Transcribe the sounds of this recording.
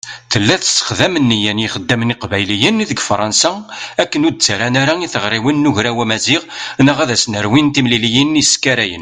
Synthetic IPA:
θəlːæθə̥sə̥χðæmənːijænjiχəd̪ːæmniqvæjlijənðəɡfɾˤɑnsaækːənud̪̚t͡sːaɾanaɾaiθəʁɾˤiwənːʊʝɾæwæmæziʁnəʁæðæsnəɾwint̪imlilijəniskːæɾæjə̰n

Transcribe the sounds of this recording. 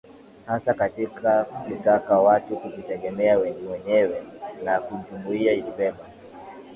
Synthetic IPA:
hasakatikʰakutakawatukuvitɛɡɛmɛawɛŋɡɛwɛɲɛwɛnakuɲt͡ʃumuiailipɛma

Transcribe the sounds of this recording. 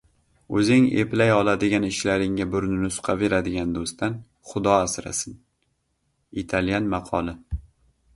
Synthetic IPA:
ɵzɪŋḛplajɒlˠad̪ɪɡʲanɪʃlaɾɪŋabʊɾnɪnʊsʊ̥qʰɑve̞ɾad̪ɪɡʲand̪ost̪ʰan | χʊd̪ɒasɾa̰sɪn | it̪ʰalˠjanmɑqʰɒlˠɪ

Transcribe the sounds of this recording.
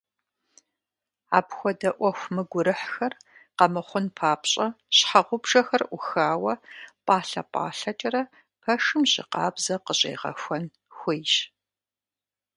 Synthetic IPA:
a̰ːpxʷɔdɐʔʷɔxʷmɨɡʷʊɾɨħxɐrqɐmɨχʷʊnpʰaːpɕʼɐɕħaʁʷʊbʐ̥ɐxɐrʔʷʊxaːwɐpʼaːɬɐ̰pʼa̰ːɬɐt͡ʃʼɐrɐ | pʰɐʂɨmʑʼɪ̰qɑ̰ːbzɐqəɕʼḛːʁɐ̰xʷɐn | xʷɪjʃ

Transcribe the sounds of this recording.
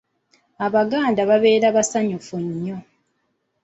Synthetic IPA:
aβaɡaːndaβaβe̞ːɾaβasaɲufuɲːo

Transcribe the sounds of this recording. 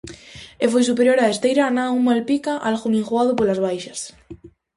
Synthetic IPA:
efojsupeɾjoɾaest̪ejɾanaumalpikaʔalxumĩŋxuaðʊpolazβ̞ajʃɐs

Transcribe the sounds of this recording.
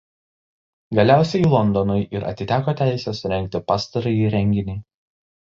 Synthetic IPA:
ɡɐlʲæˑʊsʲɛjiːˑlˠɔnˑd̪ɔnʊjʔɪɾɐ̰t̪ʲɪt̪ʲæːkoːt̪ʲæˑɪsʲɛˑsʊɾʲɛŋʲk̚ʲt̪ʲɪpɑːst̪ɐɾɐjiːɾʲɛŋʲɡʲɪnʲɛɪ

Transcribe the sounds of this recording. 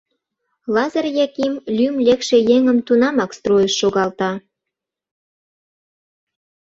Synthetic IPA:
lɑzərjɑkimlʲymlʲekʃejeŋə̆mt̪unɑmɑkst̪rojəʃːoɣɑlt̪ɑ

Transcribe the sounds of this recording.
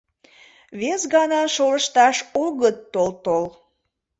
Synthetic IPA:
βesɣɑnɑʃoləʃt̪ɑʃoɣət̪ːolt̪ol

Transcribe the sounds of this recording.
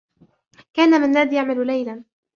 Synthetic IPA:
kaːnamɪnːaːd̪jaʕmalʊlajla

